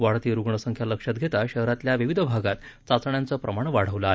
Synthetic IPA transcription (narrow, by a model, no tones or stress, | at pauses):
ʋaɽt̪iːɾuɡɳəsəŋkʰjaləkʂat̪̚ɡʱet̪aɕəɦɾat̪ljaʋiʋid̪ʱəbʱaɡat̪ | t͡sat͡səɳjant͡səːpɾəmaɳ̃ʋaɽ̤əʋləaɦe